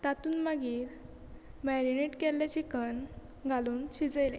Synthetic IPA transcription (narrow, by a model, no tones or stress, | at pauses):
t̪at̪uːnmaɡiːɾ | mɛɾineʈkɛlːat͡ɕikən | ɡʱaluːnɕid͡zəjle